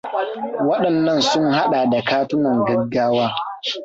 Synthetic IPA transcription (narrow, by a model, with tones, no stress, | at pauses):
wɐ˦ɗɐ˨nːɐ˦nsʊ˦ŋha˦ɗaː˨da˨kaː˦tʊ˦nɐ˨ŋɡɐ˦ɡaː˦waː˦